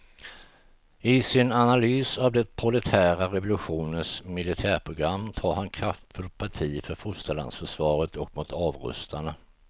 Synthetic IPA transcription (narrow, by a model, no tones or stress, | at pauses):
ɪsɪnanalyːsavd̪ɛt̪̚pʰɾʊlɛt̪ʰæːɾaɾɛvʊlɵɧuːnənsmɪlɪt̪ʰæːɾpʰɾʊɡɾamːt̪ʰɑːɾhankʰɾaft̪fɵlt̪̚pʰaʈʰiːfœɾfʊst̪əɭa̰nd̪sfœʂvɑːɾət̪ʰɔk̚mʊt̪ɑːvɾɵ̰st̪aɳa